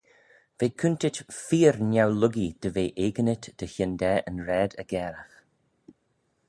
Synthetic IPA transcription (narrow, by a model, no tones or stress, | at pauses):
veːkʰʉntɪtfiːɹnjawlʊɡid̪̥əveːʔeːɡənɪt̪d̪̥əçɪnd̪ɛʔənɾɛːd̪əɡ̥ɛːɾəx